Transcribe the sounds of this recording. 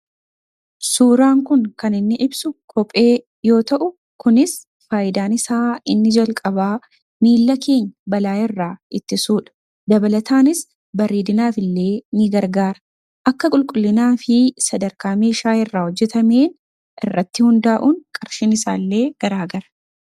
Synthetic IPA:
suːɾaːŋkʊŋkɐnɪnːɪʔɪbsʊkʰɔpʼe̞ː | jo̞ːt̪ɐʔʊ | kʊnɪs | faːjɪd̪aːnɪsaːɪnːɪd͡ʒɐlkʼɐbaː | miːlːɐkʰe̞ːɲːɐbɐlaːɪrːaːʔɪt̪ːɪsuːᶑɐ̥ | d̪ɐbɐlɐt̪aːnɪs | bɐɾiːd̪ɪnaːfɪlːe̞ːnɪɡɐɾɡaːɾɐ̥ | ʔɐkːɐkʼʊlkʼʊlːɪnaːfɪsɐd̪ɐɾkaːmeːʃaːɪrːaːhɔd͡ʒːɛt̪ɐmeːn | ʔɪrːɐt̪ːɪhʊnd̪aːʔuːnkʼɐɾʃɪnɪsaːlːe̞ːɡ̥ɐɾaːɡɐɾɐ̥

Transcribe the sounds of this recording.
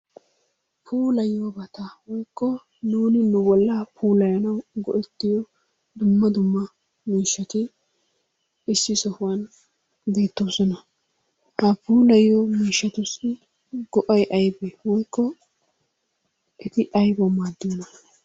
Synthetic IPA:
pʰuːlɐjobɐt̪ɐwɔjkːɔ | nuːnɪnʊbɔlːɐpʰuːlɐjɐnɐwɡɔʔɛt̪ːɪjɔ | d̪ʊmːɐd̪ʊmːɐ | miːʃːɐt̪ɪ | ɪsːɪsɔhʊwɐn | beːt̪ːoːsɔnɐ | hɐpʰuːlɐjɔmiːʃːɐt̪ʊsɪ | ɡ̥ɔʔɐjʔɐjbewɔjkːɔ | ʔɪt̪ɪʔɐjbɔmaːd̪ːɪnɐ

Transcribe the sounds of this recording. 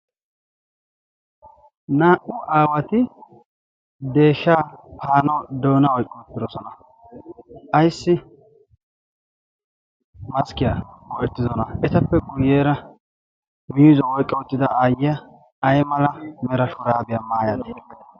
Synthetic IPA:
naːʔʊʔaːwɐt̪ɪ | d̪e̞ːʃːaːpaːnɔd̪o̞ːnɐwɔjkʼːɛʊt̪ːɪd̪ɔsɔnɐ | ɐjsːɪ | mɐskɪjaɡɔjɛt̪ːɪzɔnɐɛt̪ɐpːɛɡʊjːeːɾɐ | miːzɔwɔjkʼːɛʊt̪ːɪd̪ɐaːjːɪjɐː | jmɐlɐmɛɾɐʃʊɾaːbɪjaːmaːjɐt̪ɪ

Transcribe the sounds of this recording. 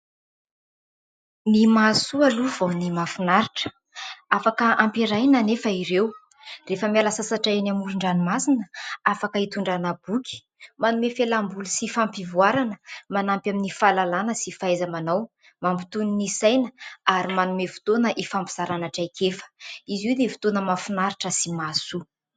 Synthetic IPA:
nimasualuvawnimafunaɾiʈ͡ʂə̥ | afakəampiɾajnanefəiɾew | refəmialasasaʈ͡ʂainamuɾuɳɖ͡ʐanimasinəafakəit̪uɳɖ͡ʐanəbukʲi̥ | manumefelambulusifampivuaɾanəmanampaminifalalanəsifajzamanaw | mambi̥t̪uninisajnəaɾimanumevu̥t̪onəʔifampi̥z̥aɾanaʈ͡ʂajkefə̥izid̪evu̥t̪onəmafunaɾiʈ͡ʂəsimasu

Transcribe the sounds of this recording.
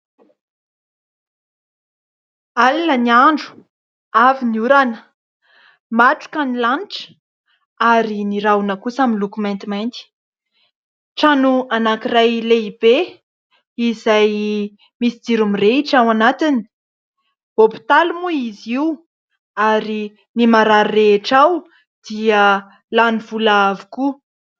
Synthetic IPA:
alinəniaɳɖ͡ʐu̥ | aviniuɾanə̥ | maʈ͡ʂu̥kanilanʈ͡ʂə̥ | aɾiniɾawnəkusaminlukumẽnt̪iment̪i̥ | ʈ͡ʂanuanakiɾajleibe | izaj | misid͡z̪iɾumireiʈ͡ʂawanat̪ini̥ | ɦopi̥t̪alumuiziw | aɾi | nimaɾaɾiːeʈ͡ʂaw | d̪̥iə | laniv̥ulaavi̥ku

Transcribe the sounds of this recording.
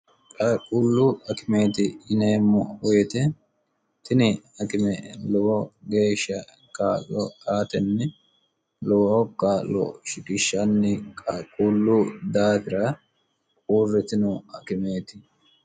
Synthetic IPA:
kʼaːkʼuːlːʊɐkɪmeːt̪ɪɪne̞ːmːɔɔjɛt̪ɛ | t̪ɪnɪɐkɪmɛlɔwɔɡe̞ːʃːɐ | kʼaːlːɔaːt̪ɛnːɛ | lɔwɔkʼaːlːɔ̰ʃɪkʼɪʃːɐnːɪkʼaːkʼuːlːʊd̪aːfɪɾɐ | kʼuːrːɛt̪ɪnɔɐkɪme̞ːt̪ɪ

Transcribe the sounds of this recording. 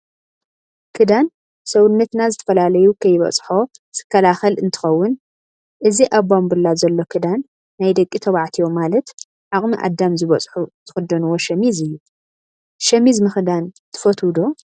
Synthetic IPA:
kʰɨd̪an | sɐwnːɐt̪nazɨt̪ʰɐ̥fɐlalɐjukʰɐjːɪβɐ̰t͡sʼħo̞z̥ɨ̥kʰːɐlaxɐlɨnt̪ʰɨ̥xɐwːʊn | ʔɨziʔaβbambɨlːazɐlːo̞kʰɨd̪anː | ajd̪ɐkʼːit̪ʰɐβaʕt̪ʰijo̞malɐt̪ | ʕaχʼmiʔa̰d̪ːamzɨβɐt͡sʼħut̪ʰɨxɨd̪ːɐnuwoʃɐmizɨjːu | ʃɐmizmɨxd̪ant̪ʰɨ̥fɐt̪ud̪o̞

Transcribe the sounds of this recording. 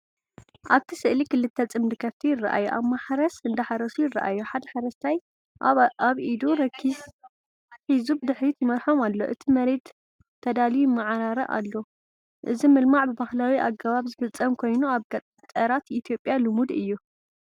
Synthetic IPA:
ʔaβt̪ʰisɨʔlikʰɨlːɨt̪ʰːɐt͡sʼɨmd̪ɨkʰːɐft̪ʰijɪrːɐ̰ʔa̰juʔa̰βmaħɾɐsɨnd̪ɐħaɾɐsujɪrːa̰ʔa̰jːuħad̪ɐħaɾɐst̪ʰaj | aβʔid̪uɾɐkʰːiz | ħizubd̪ɨħɾit̪ɪmɐɾħo̞malːo̰ʔɨt̪ʰimɐɾed̪ | t̪ʰɐd̪alijɪmːaʕɾaɾɐ̰ʔa̰lːo̞ | ʔɨzimɨlmaʕbɨbaxlawiʔa̰ɡɐβaβzɨfɨt͡sʼːɐmkʰo̞jnuaβɡɐ | t̪ʼɐɾat̪it̪ʰjo̞pʼjalɨmud̪ɨjːu

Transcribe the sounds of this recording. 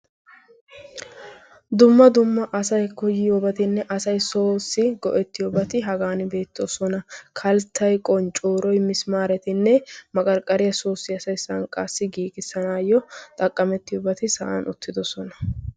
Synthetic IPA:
d̪ʊmːɐd̪ʊmːɐʔɐsɐjkɔjɪjɔbɐt̪ɪnːɛʔɐsɐjsoːsːɪɡɔ̰ʔɛt̪ːɪjɔbɐt̪ɪɦɐɡaːnɪbe̞ːt̪ːɔsɔnɐkʰɐlt̪ʰːɐjkʼɔnt͡ʃʼoːɾɔjmɪsmaːɾɛt̪ɪnːɛmɐkʼɐɾkʼːɐɾɪjɐso̞ːsːɪɐsɐjsɐŋkʼːaːsːɪɡiːkʼɪsɐnaːjɔt̪ʼɐkʼːɐmɛt̪ːɪjɔbɐt̪ɪsɐ̰ʔɐ̰nʊ̰t̪ʰːɪd̪ɔsɔnɐ̥

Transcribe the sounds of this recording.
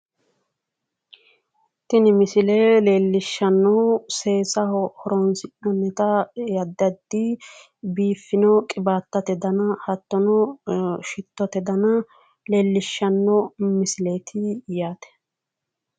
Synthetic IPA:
t̪ɪnɪmɪsɪleleːlːɪʃːɐnːɔwse̞ːsɐhɔhɔɾɔnsɪʔɔnːɛt̪ɐjɐd̪ːɐd̪ːɪ | biːfːɪnɔkʼɪbaːt̪ːɐt̪ɛd̪ɐnɐhɐt̪ːɔnɔʃɪt̪ːɔt̪ɛd̪ɐnɐ | le̞ːlːɪʃːɐnːɔmɪsɪleːt̪ʰɪjaːt̪ɛ̥

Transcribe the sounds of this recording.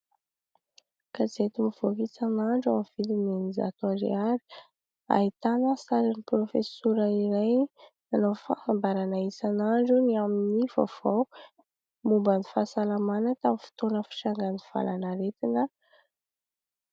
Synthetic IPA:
kazet̪umiv̥ovit͡sanaɳɖ͡ʐuamv̥ilineniza̰t̪aɾḛaɾi̥ | a̰it̪anəsaɾiniprofesuɾəiɾajnanafahambaɾanaisanaɳɖ͡ʐuniaminiva̰v̥aw | mumbanifasalamanət̪amifi̥t̪onəfi̥ʈ͡ʂaŋɡaniv̥a̰lanaɾet̪inə

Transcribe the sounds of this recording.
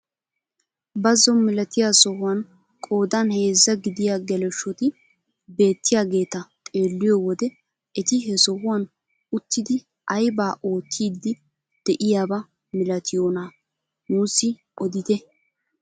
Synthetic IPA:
bɐzːɔmɪlɐt̪ɪjaːsɔhʊwɐn | kʼo̞ːd̪ɐnhe̞ːzːɐɡɪd̪ɪjaːɡɛlɛʃːɔt̪ɪ | be̞ːt̪ːɪjaːɡe̞ːt̪ɐt̪ʼe̞ːlːɪjɔwɔd̪ɛ | ɛt̪ɪɦɛsɔhʊwɐn | ʊt̪ːɪd̪ɪ | ʔɐjbaːʔo̞ːt̪ʰːiːd̪ːɪ | d̪̥ɛʔɪjaːbɐ | mɪlɐt̪ʰɪjoːna | nuːsːɪ | ʔɔd̪ɪt̪ɛ

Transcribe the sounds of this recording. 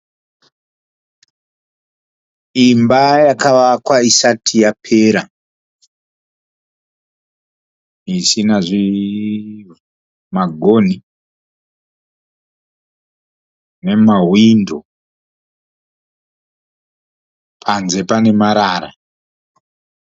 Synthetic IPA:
imbajakaʋakwaisatʰijapʰe̞ːɾa | isinaʐi | maɡʱoːni | ne̞mawindo | pʰanze̞pane̞maɾaːɾa

